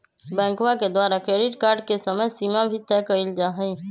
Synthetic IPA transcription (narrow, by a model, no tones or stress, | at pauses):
bɛ̃ːŋkʋaked̪waːɾakɾeːɖɪʈkaːɾɖ̚kesəməjsiːmabʱit̪ɛkəɪld͡ʒaːɦəi